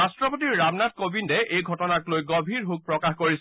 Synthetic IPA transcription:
astɹɔpotiɹːabnat̚kobindɛʔejɡʱɔtɔnaklojɡobʱiɹɦuk̚pɹɔkaxkoɹis

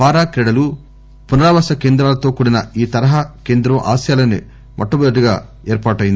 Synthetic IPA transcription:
paːɾaːkɾɛɽɐlu | punɐɾaːʋaːsɐkeːnd̪ɾaːlɐt̪o̞ːkuɽinɐiːt̪ɐɾɐɦaːke̞ːnd̪ɾɐmʔa̰ːsjaːlɐne | mʔɐʈːɐbɐɐʈiɡa̰ː | eːɾpaːʈɐjind̪i

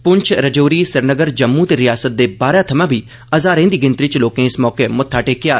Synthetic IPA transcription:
pʊɲt͡ʃʰɾəd͡ʒoːɾiːsɪɾnəɡəɾd͡ʒəmːuːt̪eɾɪjaːsət̪̚d̪eːbaːɾaːt̪ʰəmãːbʱiː | əzaːɾẽːnd̪iːɡɪ̃nt̪ɾɪt͡ʃloːkẽːɪsmɔːkeːmʊt̪ʰːaːʈeːkɪjaː

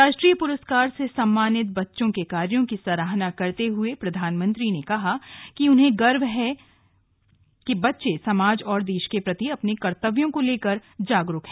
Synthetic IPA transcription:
ɾaːʃʈɾiːjəpʊɾəskaːɾsesɐmːaːnɪt̪̚bɐtːʃõkekaːɾjõkisɐɾaːɦnakɐɾt̪eɦʊepɾɐd̪ʱaːnmə̃nt̪ɾinekɐɦakiʊnɦẽɡɐɾbɦɛ | kibɐtːʃesɐmaːd͡ʒɔːɾd̪eːʃkepɾɐt̪iɐpnekɐɾt̪əʋjõkoleːkəɾd͡ʒaːɡɾʊkɦɛ̃ː

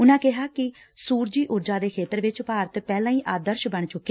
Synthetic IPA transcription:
ʊnãːkɪɦaːkɪ | suːɾd͡ʒiːʔʊɾd͡ʒaːd̪eːkʰeːt̪əɾʋɪt͡ʃpaːɾət̪pɛːlãːiːʔaːd̪əɾʃbəɳt͡ʃʊkːe

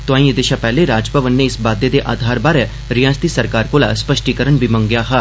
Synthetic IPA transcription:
t̪oãːĩed̪ɪʃapɛɦleɾaːd͡ʒpəʋənːeɪsbaːd̪jed̪eʔa̰ːd̪ʱaːɾbaːɾɛ | ɾijãːst̪isɐɾkaːɾkolaspəʃʈikəɾəɳbʱimɐ̃ŋɡjaɦaː

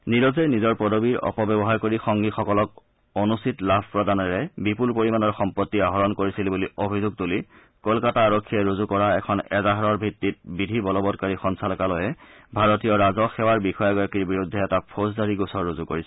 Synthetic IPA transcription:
niɹɔzɛjnizɔɹpɔdʱobiɹɔ̰pɔbɛbɔɦaɹkoɹixɔŋɡixɔkɔlɔk̚ | onustitlabʱpɹɔdanɔɹɛbipulpoɹimanɔɹxɔmpɔtːiaɦɔɹɔnkoɹisilbuliobʱizuɡ̚tuli | kɔlkataːɹɔkʰːiɛɹuzukɔɹaɛ̰kʰɔnɛzaɦaɹɔɹbʱitːit̚bidʱibɔlɔbɔd̚kaɹixɔnsalɔkalɔjɛ | bʱaɹɔtijɔɹazɔxɛwaɹbixɔjaɡɔjakiɹbiɹudʱːɛɛtapʰoszaɹiɡusɔɹːuzukoɹisɛ

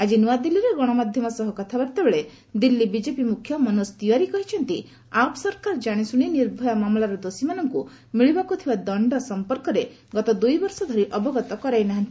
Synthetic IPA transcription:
ad͡ʒinuad̪ilːiɾeɡɔɽ̃ɔmad̪ʱjɔmɔsɔɦɔkɔt̪ʰabaɾt̪ebeɭe | d̪ilːibid͡ʒepimukʰjɔmɔnust̪iaɾikɔɦit͡ʃʰɔnt̪i | apsɔɾkaɾd͡ʒaɽ̃isuɽ̃iniɾbʱɔjamamlaɾɔd̪osimanɔŋku | miɭibakut̪ʰibad̪ɔɳɖɔsɔmpɔɾkɔɾe | ɡɔt̪ɔd̪ujbɔɾsɔd̪ʱɔɾiʔɔbɔɡɔt̪ɔkɔɾajnaɦant̪i

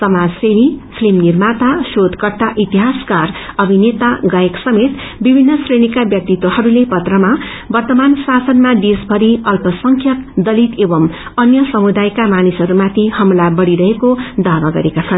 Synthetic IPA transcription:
sʌmad͡zsenipʰlimnirmat̪asod̪ʱkʌrt̪aʔit̪iɦaskarʌbʱinet̪aɡʌeksʌmet̪ | bibʱinːʌsreɽ̃ikabjʌk̚t̪it̪ːwohʌɾulepʌt̪rʌma | bʌrt̪ʌmansasʌnmad̪esbʱʌɾiʌlpʌsʌŋkʰjʌkd̪ʌlit̪ebʌmʌnjʌsʌmud̪ajkamanisɦʌɾumat̪ʰihʌmlabʌɽiɾʌɦekod̪abaɡʌ̰ɾekat͡sʰʌn

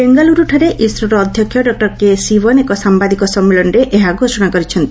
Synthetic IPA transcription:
beŋɡaluɾuʈʰaɾeʔisɾɔɾɔːd̪ʱjɔkʰjɔɖɔk̚ʈɔɾkesibɔnekɔsambad̪ikɔsɔmːelɔnɾeʔeɦaɡʱosɔɽ̃akɔɾit͡ʃʰɔnt̪i̥

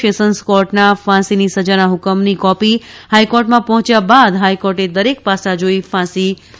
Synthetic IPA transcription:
esənskɔɾʈnafãsinisəd͡ʒanaɦʊkəmnikɔpi | hajkɔɾʈmãpɔɦɔ̃t͡ʃjabad̪ɦajkɔɾʈed̪əɾek̚pasad͡ʒoifãsi

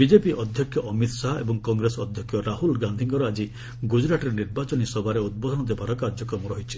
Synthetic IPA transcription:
bid͡ʒepiʔɔd̪ʱjɔkʰːjɔʔɔmit̪saɦaḛbɔŋkɔŋɡɾesɔd̪ʱjɔkʰːjɔɾaɦulɡand̪ʱiŋɡɔɾɔad͡ʒi | ɡud͡ʒɾaʈɔɾeniɾbat͡ʃɔnisɔbʱaɾeud̪̚bɔd̪ʱɔnɔd̪ebaɾɔkaɾd͡ʒɔkɾɔmɔɾɔɦit͡ʃʰi̥

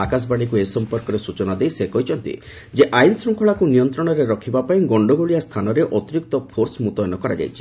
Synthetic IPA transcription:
akas̬baɽ̃ikuesɔmpɔɾkɔɾesut͡ʃɔnad̪ejsekɔɦit͡ʃʰɔnt̪ḭ | d͡ʒeʔajnsɾɔŋkʰɔɭakunijɔnt̪ɾɔɽ̃ɔɾeɾɔkʰibapaĩɡɔɳɖɔɡoɭijast̪ʰanɔɾeʔɔt̪iɾik̚t̪ɔpʰoɾsmut̪ɔjɔnɔkɔɾa̰d͡ʒa̰jt͡ʃʰi̥

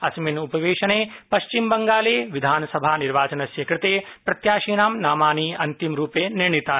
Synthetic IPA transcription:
ɐsminupɐʋeːʂɐneːpɐʃt͡ʃimbɐŋɡaːleːʋid̪ʱaːnɐsɐbʱaːniɾʋaːt͡ʃɐnɐʃjekɾɐt̪eːpɾɐt̪jaːʃiːnaːmnaːmaːniːɐnt̪imɾuːpeːniɾɳit̪aː

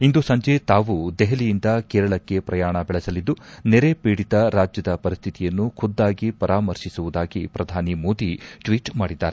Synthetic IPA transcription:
ind̪usɐɲd͡ʒe̞t̪aːʋud̪ɛɦelijind̪ɐkeːɾɐɭɐkːe̞pɾɐjaːɳɐbɛɭɐsɐlid̪ːuneɾe̞piːɽit̪ɐɾaːd͡ʒjɐd̪ɐpɐɾist̪ʰit̪ijɐnːukʰud̪ːaːɡipɐɾaːmɐɾʃisuʋud̪aːɡipɾɐd̪ʱaːnimo̞ːd̪iʈʋiːʈmaːɽid̪ːaːɾe

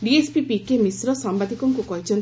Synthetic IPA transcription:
ɖiespipikemisɾɔsambad̪ʱikɔŋkukɔɦit͡ʃʰɔn

